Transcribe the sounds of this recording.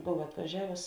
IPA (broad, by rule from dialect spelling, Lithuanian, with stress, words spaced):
ˈboːw ɐtʋɐˈʒʲæːʋʊs